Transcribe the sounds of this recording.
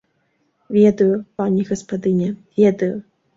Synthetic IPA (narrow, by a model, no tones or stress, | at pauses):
vʲɛd̪ɐjʊpanʲiɣɐspad̪ɨnʲɛvʲɛd̪ɐjʊ